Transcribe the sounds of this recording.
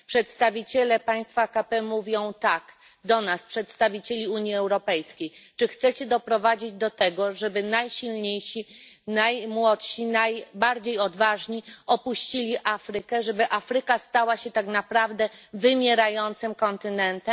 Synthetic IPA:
pʂɛt̪st̪avʲit͡ɕɛlɛpaj̃st̪fakapɛmuvʲjɔ̃w̃t̪aɡ | d̪ɔnaspʂɛt̪st̪avʲit͡ɕelʲiuɲjiɛwɾɔpɛjskʲejt͡ʂɘxt̪sɛt͡ɕɛd̪ɔpɾɔvad͡ʑid͡ʑd̪ɔt̪ɛɡɔʐɛbɘnajɕilɲejɕinajmwɔt̪ɕinajbaɾd͡ʑejɔd̪vaʐɲiɔpuɕt͡ɕilʲiʔafɾɘkɛʐɛbɘʔafɾɘkast̪awaɕɛt̪aknapɾavd̪ɛvɘmʲjɛɾajɔnt̪sɘmkɔnt̪ɘnɛnt̪ɛ

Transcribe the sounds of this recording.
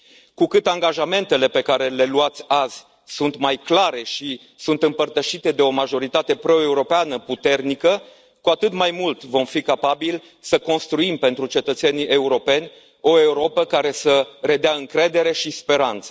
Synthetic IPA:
kukɨt̪aŋɡaʒame̞nt̪e̞le̞pe̞kaɾe̞le̞luat̪sʲaz̥ | sunt̪majklaɾe̞ʃi | sunt̪ɨmpərt̪əʃit̪e̞d̪e̞o̞maʒo̞ɾit̪at̪e̞pɾo̞e̞uɾo̞peanəput̪e̞rnikə | kuat̪ɨt̪majmult̪vo̞mfikapabil | səko̞nst̪ɾuimpe̞nt̪ɾut͡ʃe̞t̪ət̪se̞niʔeuɾo̞pe̞nʲ | o̞e̞uɾo̞pəkaɾe̞səɾe̞d̪eaɨŋkɾe̞d̪e̞ɾe̞ʃispe̞ɾant̪sə

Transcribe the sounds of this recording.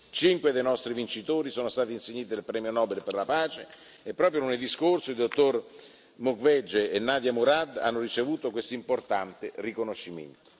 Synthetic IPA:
t͡ʃiŋkwed̪ejnɔst̪ɾivint͡ʃit̪oːɾisoːnost̪aːt̪inseɲːiːt̪id̪elpɾɛːmjonɔːbelperlapaːt͡ʃe | epːɾɔːp̬ɾjooneld̪iskorsoild̪ot̪ːor | mukvɛd͡ʒeenːaːd̪jamuɾad̪a̰nːorit͡ʃevuːt̪okwest̪oimport̪ant̪erikonoʃːimḛnt̪o̥

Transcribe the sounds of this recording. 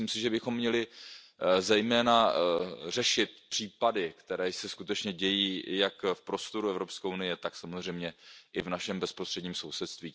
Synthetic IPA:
imsɪʒɛbɪxo̞mːɲɛlɪ | zɛjmɛːna | r̝ɛʃɪt̪̚pr̥iːpadɪkt̪ɛɾɛːsɛskut̪ɛt͡ʃɲɛɟɛjiːjakfpɾo̞st̪o̞ɾuɛvɾo̞pskɛʔunɪjɛt̪aksamozr̝ɛjmɲɛʔɪvnaʃɛmbɛspɾost̪r̥ɛdɲiːmsowsɛt̪st̪viː

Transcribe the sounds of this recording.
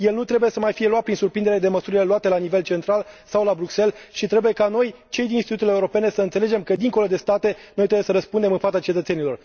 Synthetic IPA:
je̞lnut̪ɾe̞buje̞səmajfije̞luat̪̚pɾinsurpɾind̪eɾe̞d̪e̞məsuɾile̞luat̪e̞lanive̞lt͡ʃe̞nt̪ɾalsawlabɾukse̞lʃit̪ɾe̞buje̞kano̞j | t͡ʃe̞jd̪inist̪it̪ut̪eeuɾo̞pe̞ne̞səɨnt̪se̞le̞d͡ʒe̞mkəd̪iŋko̞lo̞d̪e̞st̪at̪e̞nojt̪ɾebujesəɾəspund̪e̞mɨnfat̪sat͡ʃe̞t̪ət̪se̞nilo̞r

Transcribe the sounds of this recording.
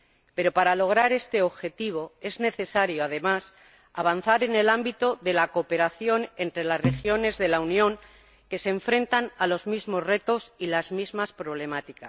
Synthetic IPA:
pe̞ɾo̞paɾalo̞ɣ̞ɾaɾe̞st̪e̞o̞βxe̞t̪iβ̞o̞e̞zne̞θe̞saɾjo̞aðe̞mas | aβ̞an̟θaɾe̞ne̞lambit̪o̞ðe̞lako̞pe̞ɾaθjo̞ne̞nt̪ɾe̞lazre̞xjo̞ne̞zðe̞launjõ̞ŋ | ke̞seɱfɾe̞nt̪analo̞zmizmo̞zre̞t̪o̞silazmizmaspɾo̞β̞le̞mat̪ikas

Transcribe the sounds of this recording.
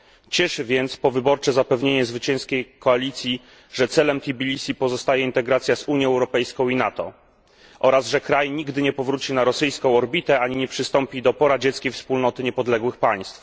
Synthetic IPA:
t͡ɕɛʂɘvʲɛnt̪spɔvɘbɔɾt͡ʂɛzapɛvɲeɲɛzvɘt͡ɕɛ̃ñskʲejkɔalʲit̪sʲji | ʐɛt̪sɛlɛmt̪ʲibʲilʲisipɔzɔst̪ajɛint̪ɛɡɾat̪sʲjazuɲjɛɛwɾɔpɛjskɔ̃w̃inat̪ɔ̰ | ʔɔɾazʐɛkɾajɲiɡd̪ɘɲɛpɔvɾut͡ɕinaɾɔsɘjskɔ̃w̃ɔɾbʲit̪ɛaɲiɲɛpʂɘst̪ɔmpʲid̪ɔpɔɾad͡ʑɛt̪skʲejfspulnɔt̪ɘɲɛpɔd̪lɛɡwɘxpaj̃st̪f

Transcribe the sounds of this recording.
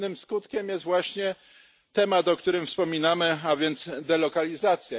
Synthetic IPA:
nɘmskut̪kʲɛmjɛst̪vwaɕɲɛ | t̪ɛmat̪ɔkt̪uɾɘmfspɔmʲinamɘavʲjɛnd̪t̪sd̪ɛlɔkalʲizat̪sʲja

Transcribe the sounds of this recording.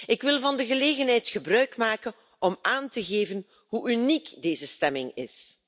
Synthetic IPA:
ɪkʋɪlˠvɑndəɣəleːɣənɦɛjtxəbrœɥkmaːkən | ʔɔmaːntəɣeːvən | ɦuʔynikdeːzəstɛmɪŋɪ̰s

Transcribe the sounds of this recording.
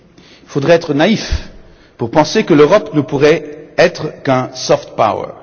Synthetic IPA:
ifod̪ʁɛɛt̪χənaif | puʁpɑ̃sekəløʁɔpnəpuʁɛɛt̪χəkɛ̃sɔft̪̚pa̰wə̰

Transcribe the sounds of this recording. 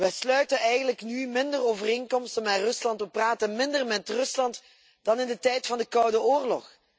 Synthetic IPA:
ʋɛslœɥtənɛjɣəndələknymɪndəroːvəreːŋkɔmstənarɵslɑntʋəpraːtənmɪndərmɛtrɵslɑnt | d̥ɑnɪndətɛjtfɑndəkɑwdəoːrlɔ̰x

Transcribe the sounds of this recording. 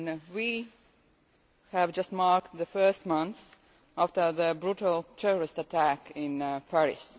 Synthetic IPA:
nwi | hævd͡ʒʌst̚mɑɹkðəfɜ˞stmʌ̃nθ | æftə˞ðəbɹuɾəl̩ˠtʰɛɹəɹɪstətʰækɪ̃npʰæɹɪ̰s

